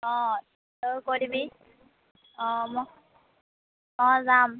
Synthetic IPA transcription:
ɔ̃ | okoɾibi | ɔ̃mɔ | ɔzam

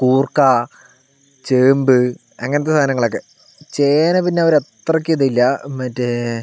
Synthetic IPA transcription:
kuːrkaː | t͡ɕeːmbɨ | ɐŋːɐnɐt̪ːesaːnɐŋːɐɭokːe̞ | t͡ɕeːnɐpinːeɐʋɐɾet̪rɐk̬ʲːɨiðɐilːɐmɐtːe

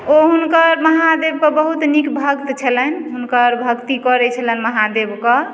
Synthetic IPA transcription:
oɦunkəɾməɦad̪eb̚kəbəɦut̪nikbʱəɡt̪t͡ʃʰəlɛnɦunkəɾbʱəɡt̪ikɔɾɛt͡ʃʰələnməɦad̪ebkə

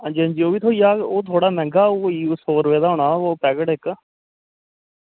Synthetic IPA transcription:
ə̃ːnd͡ʒiːə̃nd͡ʒiːoːʋiːt̪ʰoːiːaːoːt̪ʰoːɽaːmɛ̃ːŋɡaːoiːsoːɾʋeːd̪aːɦoːɳaːoːpɛːɡəʈɪk

